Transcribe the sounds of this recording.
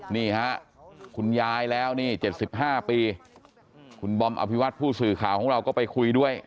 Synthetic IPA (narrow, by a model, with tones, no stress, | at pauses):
niː˥˩ha˦˥ʔkʰu˧njaː˧jlɛː˦˥wniː˥˩t͡ɕe˨˩t̪̚si˨˩p̚ɦaː˥˩piː˧ | kʰu˧nbɔ˧mʔa̰˧pʰi˦˥wa˦˥t̪̚pʰuː˥˩sɯː˨˩kʰaː˨˩wkʰɔː˩˦ŋɾa˧wkɔː˥˩pa˧jkʰu˧jdu˥˩əj